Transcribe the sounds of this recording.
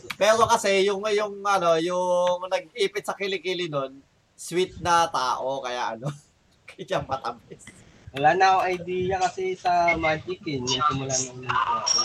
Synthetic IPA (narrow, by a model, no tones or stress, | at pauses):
pɛːɾo̞kɐsɛjʊŋɐjʊŋʔɐno̞jʊŋnɐɡ̚ʔiːpɪt̪̚sɐkɪlɪkilɪno̞n | swit̪̚nɐt̪aːʔo̞kɐja̰ʔɐ̰no̞ | kɐjampɐt̪ɐbɪs | wɐlaːnɐoŋʔɐjd̪iːjɐkɐsɛsɐmad͡ʒikɪnːɐɡsɪmʊlanɐata